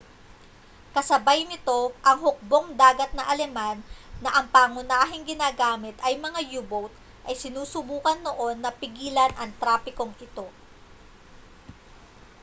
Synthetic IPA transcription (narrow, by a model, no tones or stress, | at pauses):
kɐsɐbajnɪt̪o̞ʔɐŋhʊk̚bo̞ŋd̪aːɡɐt̪̚nɐʔɐlɛmanːɐʔɐŋpaːŋʊnaːɦɪŋɡɪnaːɡaːmɪt̪ʔɐjmɐŋajuːbowt̪ | ʔɐjsɪnuːsʊbuːkɐnːo̞ʔo̞nːɐpɪɡiːlɐnʔɐŋt̪ɾaːpɪko̞ŋʔɪt̪o̞